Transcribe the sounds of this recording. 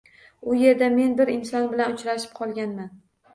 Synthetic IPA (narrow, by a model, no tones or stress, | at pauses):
ʊje̞ɾd̪ame̞nbɪɾɪnsɒnbɪlanʊt͡ʃɾaʃɪ̥p̚qʰɒlˠɡʲanman